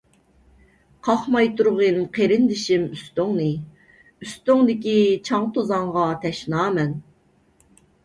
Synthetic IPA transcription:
qʰɑχmɑjt̪ʰuɾʁɨmqʰeɾɪnd̪ɪʃimyst̪oŋnɨ | yst̪yŋd̪ɪkʲit͡ʃʰɑŋt̪ʰozɑŋʁɑt̪ʰɛʃnɑːmɛn

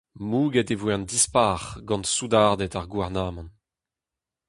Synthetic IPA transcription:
muːɡɛtevwɛndispaːʁɡɑ̃nsud̪aʁd̪ɛtaʁɡwaʁnaːmɑ̃n

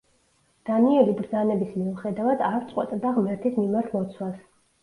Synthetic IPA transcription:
d̪̥aniɛlibɾd̪zanɛbismiuχɛd̪avad̪aɾt̪sʼqʼwɛ̰t̪ʼd̪aʁmɛɾt̪ʰismimaɾt̪ʰmɔt̪sʰwas

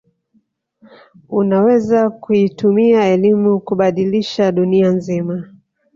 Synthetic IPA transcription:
unawɛzakuitumiaɛlimukuɓaɗiliʃaɗunianzima

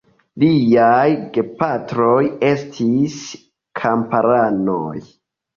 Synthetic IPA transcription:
liajɡepatɾoje̞stʰis | kʰampaɾano̰j

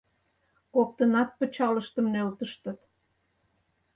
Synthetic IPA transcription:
kok̚t̪ənɑt̪̚pət͡ɕɑləʃt̪əmnølt̪əʃt̪ə̆t̪

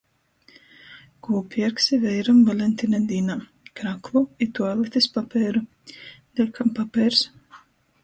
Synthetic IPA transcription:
kuːpʲɛɾksivɛjɾamvalʲɛnʲt̪ʲinɛd̪iːnaː | kɾakluit̪ualˠɛt̪ʲispapɛːɾu | d̪ʲɛkʰampapɛːɾs

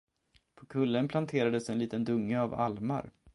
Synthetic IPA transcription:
pʰɔkʰɵlːənpʰlant̪ʰeːɾad̪əsɛnliːt̪ənd̪ɵŋːəava̰lma̰ɾ

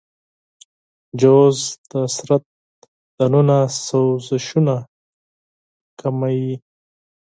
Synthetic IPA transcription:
d͡ʒozd̪asɾat̪̚ | d̪̥anunasawzɪʃuna | kamaji

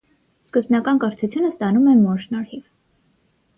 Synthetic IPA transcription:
skəzbnɑkɑnkəɾt̪ʰut͡sʰjunəst̪ɑnumɛmɔɾʃnɑɾhiv

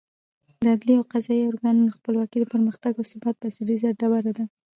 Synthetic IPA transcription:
d̪əad̪liawqɑzɑiʊɾɡɑnunoxpəlwɑkid̪əpəɾməxt̪aɡosəbat̪̚basiɾizaɖabaɾad̪a

